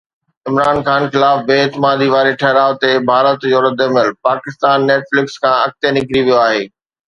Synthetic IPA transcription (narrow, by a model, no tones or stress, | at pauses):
ɪmɾaːnxaːnxɪlaːfbeːɪt̪ɪmaːd̪iʋaːɾeʈʰɐɦɾaːʋt̪ebʱaːɾət̪d͡ʑoːɾɐd̪ʱəmɪlpaːkɪst̪aːnːeːʈflɪkskʰãːɐk̚t̪enɪkɾiʋijoaːɦeː